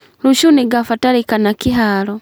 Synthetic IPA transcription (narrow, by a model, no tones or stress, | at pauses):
ɾuʃuniɡafataɾikanakiɦaɾɔ